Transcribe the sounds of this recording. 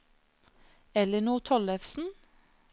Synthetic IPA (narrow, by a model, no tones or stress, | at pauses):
ɛləɳuːt̪ʰɔlɛfsn̩